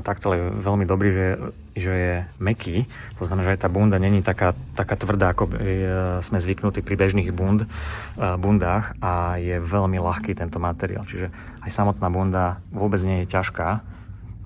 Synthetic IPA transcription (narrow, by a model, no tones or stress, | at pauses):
t̪akt̪ɔlɛjɛʋɛlmid̪ɔbɾiːʒɛ | ʒɛjɛmɛkʰiː | t̪ɔznamɛnaʒɛajt̪aːbund̪aɲɛɲit̪akaːt̪akaːt̪ʋr̩d̪aːakɔbiismɛzʋiknut̪iːpɾibɛʒniːɣbund̪ | bund̪aːxajɛʋɛʎmilaxkiːt̪ɛnt̪ɔmat̪ɛɾḭa̰ːlt͡ʃiʒɛ | ajsamɔt̪naːbund̪aʋʊɔbɛd͡zɲɛjɛcaʃkaː